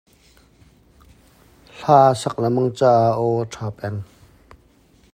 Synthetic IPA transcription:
ɬaːsɐk̚lamɐŋt͡saʔaʔɔʈ͡ʂʰaːpʼɛn

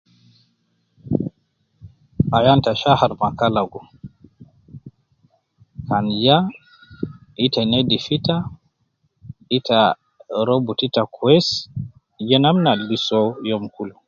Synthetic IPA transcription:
ʔajantaʃahaɾmakalaɡɔ | kanja | ʔitanedifita | ita | ɾobutitakʰuɛs | d͡ʒɛnamnalɡisɔjɔmkulu

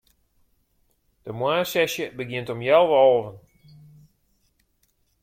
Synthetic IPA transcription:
d̥əmwaːsɛsjəbəɡjɪntɔmjɛlˠʋɔlˠvən

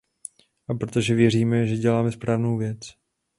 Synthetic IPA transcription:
ʔapɾot̪o̞ʒɛvjɛr̝iːmɛʒɛɟɛlaːmɛspɾaːvnowvjɛt͡s

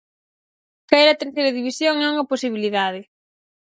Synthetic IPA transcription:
kaɛɾɐt̪eɾθejɾɐðiβisjoŋɛuŋɐposiβ̞iliðaðɪ

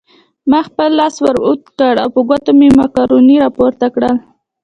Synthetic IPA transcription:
maxpəlːɑswaɾut̪kəɽa̰wpəɡat̪omemɑkɑɾuniɾɑpoɾt̪akɽəl

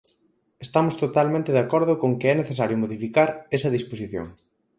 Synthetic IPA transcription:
est̪amʊst̪ot̪almẽnt̪ɪðakɔɾðʊkoŋkɪɛneθes̬aɾjʊmoðifikaɾɛsɐðisposiθjo̰ŋ

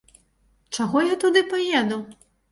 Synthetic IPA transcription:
t͡ʂaɣɔjat̪ud̪ɨpajɛd̪u

